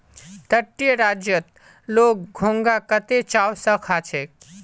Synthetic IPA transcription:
t̪əʈːijəɾaːd͡ʒjət̪̚ | loːk̚ɡʱõŋɡakət̪et͡ʃaːwsəkʰat͡ʃʰe

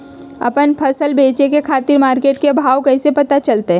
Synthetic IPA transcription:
ɐ̰pənpʰɐsəlbeːt͡ʃekekʰaːt̪ɪɾmaːɾkeːʈkebʱaːwkɛːsepɐt̪at͡ʃɐlt̪eɦɛ̃

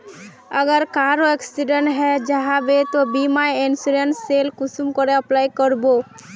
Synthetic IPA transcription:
əɡəɾkaɾoeksiɖəɳʈɦɛd͡ʒaɦabet̪obimajensuɾensːelkʊsumkɔɾeəplajkəɾbo

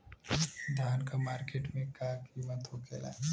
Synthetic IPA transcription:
d̪ʱaːnkamaːɾkeːʈmẽkaːkiʋə̃t̪ʰokʰeːla̰ː

